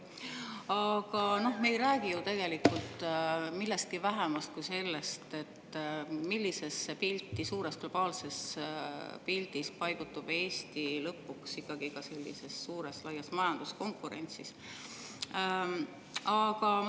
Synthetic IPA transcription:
ɑɡ̥ɑno̞hme̞jɾæːɡijut̪e̞ɡ̥e̞likːˑult̪milːe̞st̪̚kivæɦemɑst̪̚kujse̞lːe̞st̪et̪ːmilʲːise̞spilʲt̪ːisuːɾesɡ̥lo̞b̥ɑːlse̞s | pilt̪ispɑjɡ̥ut̪ːub̥e̞ːsʲt̪ilɤpːˑuksikːˑɑɡ̥ikɑse̞lʲːḭse̞sːuːɾe̞slɑjːɑsmɑjɑnd̪̥usko̞ŋkːˑuɾe̞nʲt̪sis | ɑɡ̥ɑ

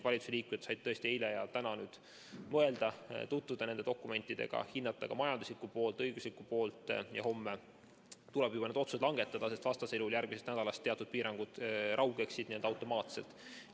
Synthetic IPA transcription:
vɑlʲit̪useliːkumjɑt̪sɑjd̥̪t̪ːɤ̞est̪iejlejɑt̪ænɑnyːd̪̥ | mɤe̞ld̪̥ɑt̪ut̪vud̪̥ɑne̞nd̪o̞kːˑume̞nt̪ːˑid̪e̞̰ɡ̥ɑ̰hinːɑt̪ːˑɑɡɑmɑjɑnd̪uslikːˑupo̞ːlt̪ˑɤjɡ̥uslikːˑupo̞ːlt̪ˑjɑ̰ho̞mːe | t̪ulɛb̥jubɑned̪o̞t̪susd̪lɑŋɡ̥e̞t̪ːˑɑd̪̥ɑse̞st̪vɑst̪ɑseluljærɡ̥mise̞st̪næd̪̥ɑlɑst̪eɑt̪ːud̪̥̚piːɾɑŋɡ̥ud̪̥ʔɑwɡ̥e̞ksːid̪nield̪ɑwt̪ːˑo̞mɑːt̪se̞̰lt̪ːˑ

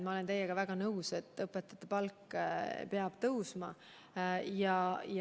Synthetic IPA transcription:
mɑo̞le̞nt̪e̞jːeɡ̥ɑvæɡ̥ɑnɤwse̞t̪ːˑɤpːˑet̪ːˑɑ̥t̪ːˑepɑlkːˑpeɑb̥t̪ɤwsmɑ | jɑj

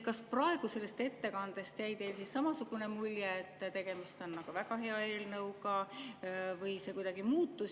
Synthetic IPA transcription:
kɑsprɑe̞ɡ̥use̞lːest̪e̞t̪ːe̞kɑnd̪̥e̞st̪jæjd̪e̞ːlsissɑmɑsuɡ̥une̞mulʲjeːt̪ːˑt̪e̞ɡ̥e̞mist̪o̞nːɑɡ̥uvæɡɑɦe̞ɑe̞ːlnɤwɡɑ | vɯjse̞kujd̪ɑɡ̥imuːt̪ːu

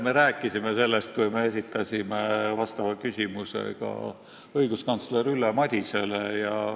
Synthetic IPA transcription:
me̞ɾæːkːˑisimese̞lːe̞st̪̚kujme̞es̬it̪ːˑɑsʲimevɑst̪ɑvɑkysʲimuse̞̰ɡ̥ɑ̰ | ɤjɡ̥uskɑnt̪sleɾylːemɑd̪̥ʲise̞lejɑ

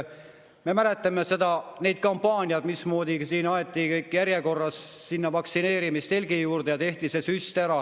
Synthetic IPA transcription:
me̞mæle̞t̪ːˑɑmese̞d̪̥ɑne̞jd̪̥̚kɑmpːɑːnʲiɑd̪̥mismo̞ːd̪isiːnɑet̪ːˑikɤjkːˑjæɾjeko̞rːɑssinːɑvɑksine̞ːɾimist̪e̞lʲɡijuːrd̪ejɑt̪e̞ht̪ise̞syst̪æɾɑ

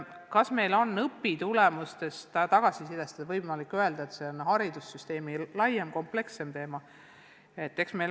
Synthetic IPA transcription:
kɑsme̞jlo̞nːɤpːit̪ulɛmust̪e̞st̪t̪ɑɡ̥ɑsisid̪̥est̪ɑd̪ɑvɤjmɑlikːˑøe̞ld̪̥ɑet̪se̞onhɑɾid̪̥usːyst̪e̞ːmilɑjemko̞mple̞kse̞mt̪e̞ːmɑ | e̞t̪ːe̞ksme̞

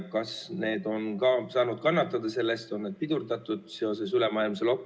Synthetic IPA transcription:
kɑsne̞ːd̪o̞nkɑsɑːnud̪̥kɑnːɑt̪ːˑɑd̪̥ɑse̞lːest̪o̞nːeːd̪̚pid̪̥urd̪ɑt̪ːˑud̪̥seo̞s̬e̞sylemɑilmselo̞kː

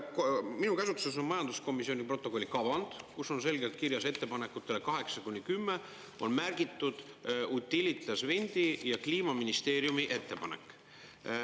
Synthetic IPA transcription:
kminukæsut̪sus̬o̞nmɑjɑnd̪̥usko̞misio̞nʲipro̞t̪ːˑo̞ko̞lʲːikɑvɑnd̪̥kusːo̞ns̬e̞lɡe̞lt̪̚kirjɑse̞t̪ːe̞pɑne̞kːˑut̪ːˑelekɑɦe̞ksɑkunʲːikymːe | o̞nmærɡ̥it̪ːˑud̪̥ | ut̪ʲːilʲit̪lesvenʲd̪̥ijɑkliːmɑminist̪e̞ːɾjumiʔe̞t̪ːe̞pɑnekˑ

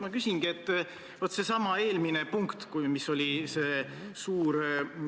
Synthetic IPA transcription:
mɑkysʲiŋɡ̥ie̞t̪ːˑ | vot̪ːˑse̞sɑmɑe̞ːlminepuŋkt̪kujmiso̞lʲise̞ː | suːɾ

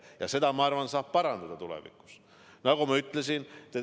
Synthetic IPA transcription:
jɑ̰se̞d̪̥ɑmɑɑrvɑnsɑːb̥̚pɑɾɑnd̪̥ɑd̪̥ɑt̪ulḛvḭku̥s | nɑɡumɑyt̪ːˑles̬int̪e

